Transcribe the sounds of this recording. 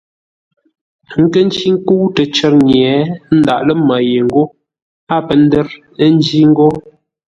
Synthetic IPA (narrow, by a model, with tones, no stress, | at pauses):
ŋ̩˦kə˦n˦t͡ʃi˦ŋ˦ku˦tə˨t͡ʃə˨ɾɲjɛ˨˦n̩˦da˨ʔlə˦ma˨je˨ŋ̩˦ɡo˦ | a˦pə˨n˦də˦ɾ | n˦d͡ʒi˦ŋ̩˦ɡo˦